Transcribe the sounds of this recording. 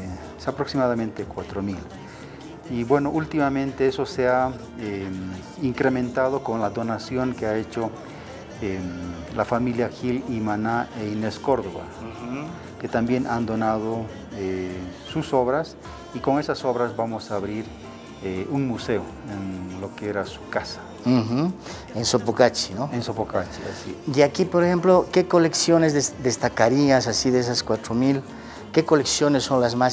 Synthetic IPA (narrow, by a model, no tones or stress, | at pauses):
apɾoksimaðamẽnt̪ekwat̪ɾomil | iβwe̞no̞ʔult̪imamẽnt̪e̞eso̞sea | em | iŋkɾemẽ̞nt̪að̞o̞ko̞nlaðo̞nasjo̞ŋkeae̞t͡ʃo | e | lafamiljaxilimanaʔeinesko̞ɾðoβa̰ | ke̞t̪ambje̞nʔand̪o̞nað̞o | esuso̞βɾas | iko̞ŋe̞saso̞βɾazbamosaːβɾiɾ | euŋmuseo | enlo̞keeɾasukasḁ | x̩ | ensopokat͡ʃi̥noensopokat͡ʃisieakipoɾexemplokekole̞ksjo̞nezðed̪est̪akaɾiasasiðes̬askwat̪ɾomil | kekoleksjo̞nesːonlazmas